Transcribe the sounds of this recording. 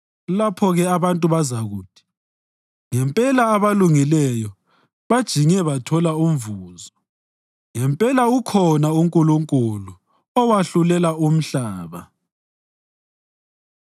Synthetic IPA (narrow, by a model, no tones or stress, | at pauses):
lapʰɔɣɛaβantʼuβazaɣuːd̥ʰi̥ | ŋɛmpʼɛlaːβaluŋilɛjɔ | βad̥ʒ̥ʱiŋɛβatʰɔlaum̩vuːzɔ | ŋɛmpʼɛlaukʰɔnauŋkʼuluŋkʼulu | ɔwaɬulɛlaum̩ɬaːβa